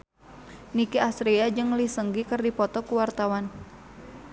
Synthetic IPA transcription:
nikiasɾiad͡ʒɨŋlisəŋɡikərdipɔt̪ɔkuwart̪awan

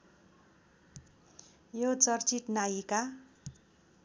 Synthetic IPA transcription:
jot͡sʌrt͡siʈnajika

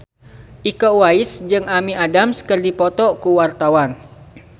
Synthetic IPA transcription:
ʔikɔwaɪsd͡ʒɨŋamiʔadamskərdipɔt̪ɔʔkuwart̪awan

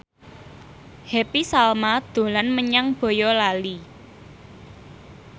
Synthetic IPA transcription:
hepisalmad̪̥o̤lanməɲaŋb̥ɔ̤jɔlali

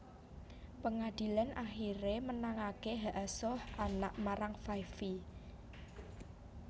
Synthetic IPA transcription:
pəŋad̥i̤lanʔaxiɾemənaŋakeɦaʔasɔhanaʔmaɾaŋfajfi

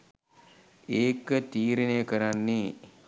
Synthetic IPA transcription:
eːkət̪iːɾinejəkəɾanːe

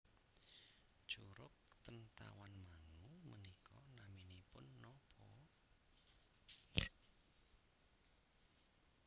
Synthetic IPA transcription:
d̥ʒ̥uɾʊk̚t̪ənt̪a̰wanmaŋumənikɔnaminipʊnːɔpʰɔ

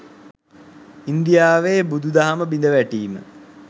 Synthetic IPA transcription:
ind̪ijaːʋeːbud̪ud̪aɦaməbind̪əʋæʈiːmə̰

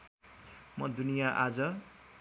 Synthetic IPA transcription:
mʌd̪unijaʔad͡zʌ

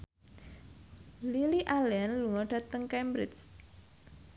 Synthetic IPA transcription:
liliʔalɛnluŋɔɖ̥ä̤t̪əŋkɛmbɾɪs

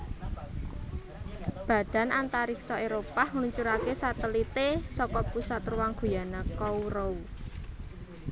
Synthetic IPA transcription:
b̥ä̤d̥a̤nant̪aɾiksɔeɾopahŋluɲt͡ʃuɾakesat̪əlit̪esɔkɔpusat̪ruwaŋɡ̥ṳjanakɔuɾou

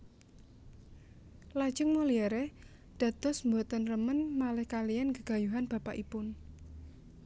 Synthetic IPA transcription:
lḁd͡ʒəŋmɔliɛɾɛ | d̪̥ä̤d̪̥ɔ̤smbɔt̪ənrəmənmalɛhkalijanɡəɡ̥a̤juɦanb̥a̤paʔipʊn

